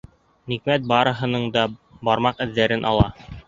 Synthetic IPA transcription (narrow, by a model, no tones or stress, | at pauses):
nikmæt̪̚bɑɾɤ̆ɦɤ̆nɤɴd̪ɑbɑɾmɑqɘ̆ðːæɾɘnʔɑ̰lˠɑ